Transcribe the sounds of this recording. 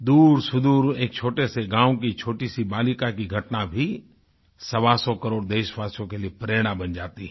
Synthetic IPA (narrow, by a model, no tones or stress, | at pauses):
d̪uːɾsʊd̪uːɾeːk̚t͡ʃʰoːʈeseɡãːwkit͡ʃʰoːʈisibaːlikakiɡʱɐʈnabʱi | sɐʋasɔkəɾoːɽd̪eːʃʋaːsjõkelijepɾeːɽ̃ãbɐnd͡ʒaːt̪iɛ